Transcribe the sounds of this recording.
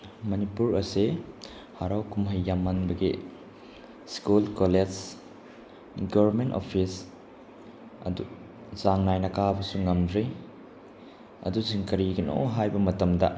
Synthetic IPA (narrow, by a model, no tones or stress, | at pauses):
mɐnipuɾɐse | haɾawkumɦɐjːamːɐnbɐɡi | skulkoled͡ʒ | ɡobɐɾmento̰pʰis | ɐ̰du | zaŋnajnɐkabɐsuŋɐmdɾi | ɐ̰dusiŋkɐɾiɡɐno̰ɦajbɐmɐtɐmdɐ